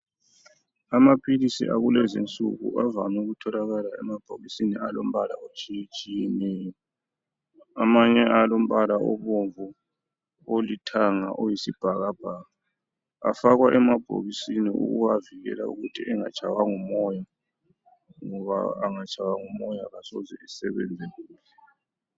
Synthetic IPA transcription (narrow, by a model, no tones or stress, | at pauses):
amapʰilisḭʔaɣulɛzint͡sʼṵɣṵʔavamɛɣutʰɔlaɣalaɛmab̥ʱoɣisinialom̩βala̰ot͡ʃʼijɛt͡ʃʼijɛnɛːjɔ | amaɲɛalom̩βalaʔɔβoɱvu | olitʰaŋa̰ʔojisib̥ʱaɣab̥ʱaːɣa | a̰faɣwaʔɛmab̥ʱo̰ɣisiniʔṵɣṵwaviɣɛ̰la̰ṵɣutʰiɛŋa̰t͡ʃʰʼawaŋumɔja | ŋɔβa̰ːŋat͡ʃʼawaŋumɔjaɣasɔzɛisɛβɛ̰nd͡zʱɛluːlɛ